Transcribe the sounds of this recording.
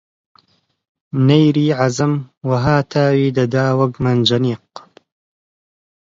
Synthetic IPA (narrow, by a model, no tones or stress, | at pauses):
nɐjɾiːʕazɐmwɐɦaːt̪ʰaːwiːd̪ɐd̪aːwɐkmɐnd͡ʒɐniːq̚